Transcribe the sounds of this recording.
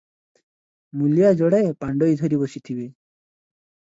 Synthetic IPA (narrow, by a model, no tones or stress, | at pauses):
mulijad͡ʒɔɽaepaɳɖɔid̪ʱɔɾibɔsit̪ʰibe